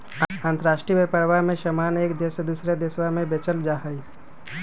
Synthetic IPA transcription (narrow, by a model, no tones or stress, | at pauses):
ãːnt̪əɾaːʃʈɾimepəɾʋamẽʃəmaːneːkd̪eːsed̪uːsɾed̪eswamẽbet͡ʃəld͡ʒaːɦəi